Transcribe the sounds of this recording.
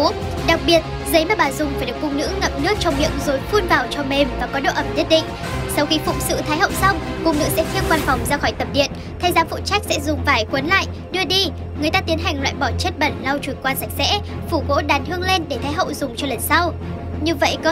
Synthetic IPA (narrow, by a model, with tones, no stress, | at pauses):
ɗa˨˩k̚ɓi˨˩ət̚ | zə˨˦jmaː˨˩ɓaː˨˩zʊ˨˩ŋ͡mfaː˧˩jɗɨ˨˩ək̚fʊ˧ŋ͡mnɨ̰˧˥ŋə˨˩p̚nɨ˦˥ək̚t͡ɕɔ˧wŋ͡mmḭ˧˨əŋzo˨˦jfu˧nvaː˨˩wt͡ɕɔ˧me˨˩mvaː˨˩kɔ˨˦ɗo̰˧˨ʔə˧˩mzi˦˥t̚ɗḭ˧˨ŋ̟ | sa˧wxi˧fʊ̰˧˨ŋ͡m̚sɨ̰˧˨t̪ʰaː˨˦jhə̰˧˨wsa˧wŋ͡mkʊ˨˧˩ŋ͡mnɨ̰˧˥sɛ̰˧˥xʰi˧əwkwaː˧nfɔ˨˩wŋ͡mzaː˧xɔ˧˩jt̪ə˨˩p̚ɗḭ˧˨ən | t̪ʰa˨˦jzaː˨˦fṵ˧˨t͡ɕa˦˥k̟̚sɛ̰˧˥zʊ˨˩ŋ͡mvaː˨˩jkwə˨˦nla̰ː˧˨jʔ | ɗɨ˧əɗi˧ | ŋɨ˨˩əjt̪aː˧t̪i˨˦ənɦa˨˩jŋ̟lwa̰ː˧˨jɓɔ˧˩t͡ɕə˦˥t̚ɓə˧˩nla˧wt͡ɕu˧˩kwaː˧nsa˨˩jk̟̚sɛ̰˧˥ | fu˧˩ɣo̰˧˥ɗaː˨˩nhɨ˧əŋle˧nɗe˧˩t̪ʰaː˨˦jɦə̰˧˨wzʊ˨˩ŋ͡mt͡ɕɔ˧lə˨˩nsa˧w | ɲɨ˧və̰˧˨jkɔ˨˦